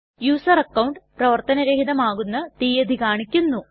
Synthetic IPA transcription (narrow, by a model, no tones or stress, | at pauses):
juːsɐrɐkːɐwɳɖprɐʋɐrt̪ɐnɐɾeɦid̪ɐmaːɣunːɐt̪iːjɐd̪ʱikaːɳikʲːunːu